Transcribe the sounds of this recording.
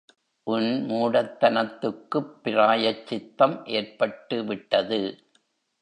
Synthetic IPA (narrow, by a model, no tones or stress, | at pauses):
ʔʊnmuːɽɐt̪ːɐnɐt̪ːɯkːɯpːɪɾaːjɐt͡ʃːɪt̪ːɐmʔeːɾpɐʈːɯʋɪʈːɐðɯ